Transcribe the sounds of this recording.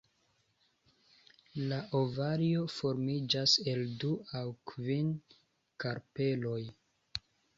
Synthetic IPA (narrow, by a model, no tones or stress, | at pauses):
laʔovaɾio̞fo̞ɾmid͡ʒase̞lduawkvin | kaɾpe̞lo̞j